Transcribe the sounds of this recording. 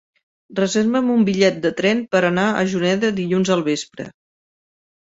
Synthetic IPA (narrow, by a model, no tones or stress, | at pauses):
rəzeɾβəmumbiʎɛt̪̚d̪ət̪ɾɛnpəɾənaə̰ʒunɛðəðiʎunzəlˠβespɾə̰